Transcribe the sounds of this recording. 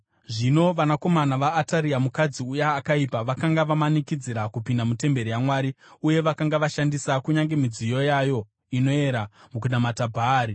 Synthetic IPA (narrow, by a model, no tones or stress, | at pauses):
ʐino̞ʋanako̞manaʋaːtaɾiamukad͡ziujaːkaipaʋakaŋɡaʋamanikid͡ziɾakupindamute̞mbe̞ɾijamwaːɾi | uje̞ʋakaŋɡaʋaʃandisakuɲaŋɡe̞mid͡zijo̞jajo̞ | ino̞e̞ɾamukuɗamatabʱaːɾi